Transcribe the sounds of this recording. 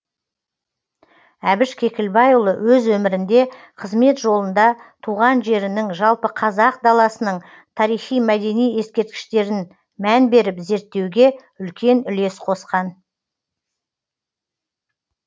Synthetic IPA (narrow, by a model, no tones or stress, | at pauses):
æbɪʃkʲʰe̞kʲɪlbɑjulˠəwɵzwɵmɪɾɪnd̪e̞ | qʰəzme̞t̪ʒo̞lˠənd̪ɑt̪ʰuʁɑnʒe̞ɾɪnɪŋʒɑlˠpəqʰɑzɑq̚d̪ɑlˠɑsənəɴ | t̪ʰɑɾijχijmæd̪e̞nije̞skʲe̞ɾt̪̚kʲɪ̥ʃt̪e̞ɾɪn | mænbe̞ɾɪpze̞ɾt̪ːe̞wɡʲe̞ | ʏlkʲe̞nʏle̞sqʰo̞sqɑn